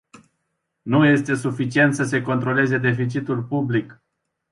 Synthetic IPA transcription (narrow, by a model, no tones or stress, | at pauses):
nuje̞st̪e̞sufit͡ʃie̞nt̪səse̞ko̞nt̪ɾo̞le̞ze̞d̪e̞fit͡ʃit̪ulʲpublik